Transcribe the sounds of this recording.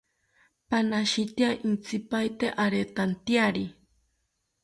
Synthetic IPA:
panaʃit̪jaʔint͡sipajt̪eʔaɾet̪ant̪jaɾi

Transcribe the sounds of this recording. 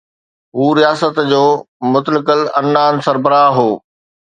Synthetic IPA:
ɦuːɾijaːsət̪d͡ʑoː | mʊt̪əlɪkəlɐnːaːnsɐɾbəɾaːɦoː

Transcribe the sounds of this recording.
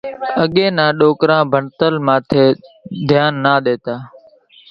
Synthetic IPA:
əɠẽːnãːɗoːkɾãːbʱəɳt̪əlmãːt̪ʰeːd̪ʱjaːnːaːɗ̪eːt̪aː

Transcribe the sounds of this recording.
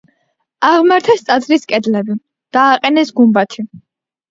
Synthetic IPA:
aʁmaɾt̪ʰɛst̪sʼat̪sɾiskʼɛd̪lɛbi | d̪̥aːqʼɛnɛsɡumbat̪ʰi

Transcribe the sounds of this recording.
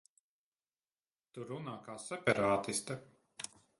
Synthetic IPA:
t̪uɾunaːkaːsɛpʲɛɾaːt̪ist̪ɐ

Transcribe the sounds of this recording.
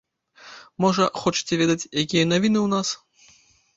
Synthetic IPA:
mɔʐɐxɔt͡ʂɨ̥t͡sʲɛvʲɛd̪ɐt͡sʲjakʲijɐnɐvʲinɨwnas

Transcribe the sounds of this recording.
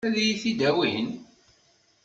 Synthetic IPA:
æðijiθid̪æwihən

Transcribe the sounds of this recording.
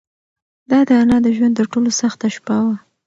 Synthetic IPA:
d̪ɑd̪əanɑd̪əʒwand̪t̪əɾʈolosaxt̪aʃpawa

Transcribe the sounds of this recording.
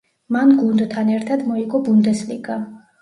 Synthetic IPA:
manɡund̪t̪ʰanɛɾt̪ʰad̪mɔiɡɔbund̪ɛslḭɡa

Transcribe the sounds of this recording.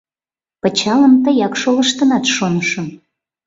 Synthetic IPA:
pət͡ɕɑləmt̪əjɑkʃoləʃt̪ənɑt̪ʃonəʃə̆m

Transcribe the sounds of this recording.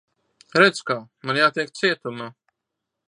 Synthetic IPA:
ɾɛt̪skaːmanjaːt̪iɛk̚t̪siɛt̪uma

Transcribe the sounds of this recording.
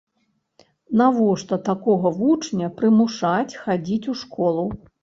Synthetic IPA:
navɔʂt̪ɔt̪akɔɣɐvut͡ʂnʲɐpɾɨmuʂat͡sʲxad͡zʲit͡sʲuʂkɔlˠu

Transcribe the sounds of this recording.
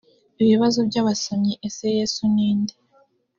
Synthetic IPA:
iβiβazobɟaːβasamɲiʔese̞je̞ːsuniːnde

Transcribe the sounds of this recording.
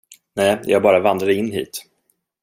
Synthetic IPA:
nɛːjɑ̰ːɡbɑːɾavand̪ɾad̪əɪnːɦḭːt̪

